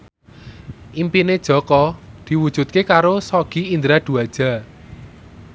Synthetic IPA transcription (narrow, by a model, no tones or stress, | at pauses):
ʔimpined̥ʒ̥ɔ̤kɔd̪̥i̤wud̥ʒ̥ṳt̪̚kekaɾosɔɡ̥iind̪ɾaɖ̪̥ṳad̥ʒ̥a̤